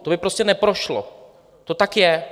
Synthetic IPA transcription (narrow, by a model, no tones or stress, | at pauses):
t̪obɪpɾoscɛnɛpɾo̞ʃlo̰ | t̪o̞t̪akjɛ